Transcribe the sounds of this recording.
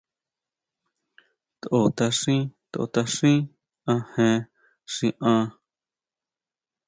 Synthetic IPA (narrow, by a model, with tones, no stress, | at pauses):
t̪ʔo˧t̪a˧ʂĩ˦t̪o˨ʔo̰˧˨t̪a˧ʂĩ˦ | ã˧hẽ˧ | ʂĩ˧ʔã˧